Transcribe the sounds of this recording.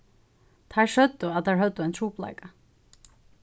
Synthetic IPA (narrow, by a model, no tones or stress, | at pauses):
t̪ʰaʂœt̪ːʊat̪ʰaɦœt̪ːʊajnt̪ʰɾuːpla̰ɪka